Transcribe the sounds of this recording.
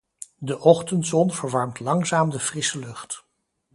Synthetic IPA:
dəʔɔχtəntzɔnvəɹʋɑɹmtlɑŋzaːmdəv̥rɪsəlɵχt

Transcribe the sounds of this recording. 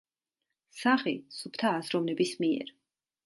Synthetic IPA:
saχisupʰt̪ʰaːsɾɔmnɛbismiɛ̰ɾ

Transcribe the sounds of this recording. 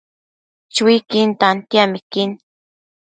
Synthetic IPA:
t͡ʃwikɪnt̪ant̪jamɪkɪn

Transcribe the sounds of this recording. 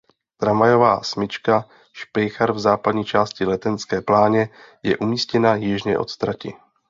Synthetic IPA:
t̪ɾavajo̞vaːsmɪt͡ʃka | ʃpɛjxaɾvzaːpad̪ɲiːt͡ʃaːscɪlɛt̪ɛnskɛːplaːɲɛ | jɛ̰ʔumiːscɛnajɪʒɲɛ̰ʔo̞̰t̪st̪ɾacɪ̰

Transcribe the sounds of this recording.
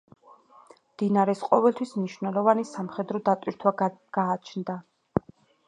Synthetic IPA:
md̪̥inaɾɛsqʼɔvɛlt̪ʰwismniʃvnɛlˠɔvanisamχɛd̪ɾɔd̪at̪ʼwiɾt̪ʰwaɡɡ̥aːt͡ʃʰnd̪a

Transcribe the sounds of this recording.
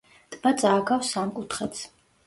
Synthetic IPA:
t̪ʼmat̪sʼaːɡawsamkʼut̪ʰχɛt̪sʰ

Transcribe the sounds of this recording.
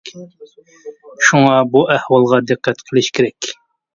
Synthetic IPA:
ʃuŋɑbuʔɛhwɑlˠʁɑd̪ɨqːɛt̪qʰəlˠɨʃkʲʰeɾɛkʲ

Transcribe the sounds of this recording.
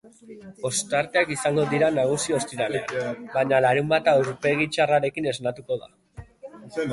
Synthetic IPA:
o̞st̪aɾt̪e̞akisaŋɡo̞ðiɾanaɣ̞usio̞st̪iɾalea̰nbaɲalaɾumbat̪aeɾpe̞ɣ̞it͡ʃaraɾe̞kine̞znat̪uko̞ða̰

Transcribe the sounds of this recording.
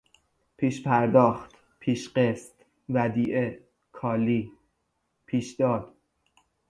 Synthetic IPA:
pʰiːʃpʰæɾd̪ɒːxt̪ | pʰiːʃɢest̪ | væd̪iːʔe | kʰɒːliː | pʰiːʃd̪̥ɒːd̪̥

